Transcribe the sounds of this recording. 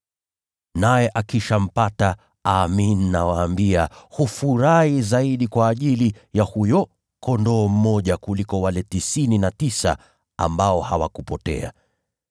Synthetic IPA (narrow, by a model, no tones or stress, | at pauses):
najɛʔakiʃam̩pata | aminnawaːmbiahufuɾahizaiɗikwaːʄilijahujɔ | kɔndɔːm̩mːɔʄakulikɔwalɛtisininatisa̰ | a̰mbaɔhawa̰kupɔtɛ̰a̰